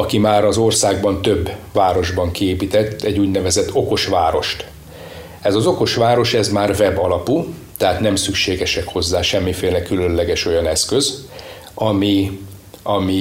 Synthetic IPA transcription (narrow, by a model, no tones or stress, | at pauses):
ɒkimaːɾɒzo̞rsaːɡbɒnt̪øbːvaːɾo̞ʒbɒŋkieːpit̪ɛt̪ːɛɟːuːɟnɛvɛzɛt̪ʰːo̞ko̞ʃʋaːɾo̞ʃt̪ | ɛzɒzo̞ko̞ʃʋaːɾo̞ʃɛzmaːrvɛbɒlɒput̪ɛɦaːt̪nɛmsykʃeːɡɛʃɛkho̞zːaːʃɛmːifeːlɛkylø̞nlɛɡɛʃo̞jɒnɛskøz | ɒmi | ɒmi